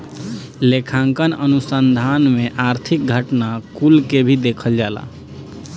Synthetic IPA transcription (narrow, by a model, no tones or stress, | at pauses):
lekʰãŋkənənusənd̪ʱanmẽʔaɾt̪ʰik̚ɡʱəʈnakulkebʱid̪eːkʰəld͡ʒala̰